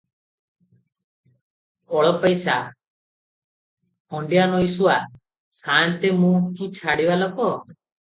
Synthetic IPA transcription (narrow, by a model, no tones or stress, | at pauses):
ɔɭɔpɔjsa | hɔɳɖijanɔjsuwa | sant̪emũkit͡ʃʰaɽibalɔkɔ